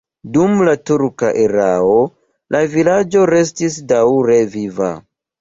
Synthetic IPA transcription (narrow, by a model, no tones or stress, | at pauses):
dumlatuɾka̰ʔeɾao̞ | lʔavilad͡ʒo̞ɾe̞s̬tis̬dawɾeviva̰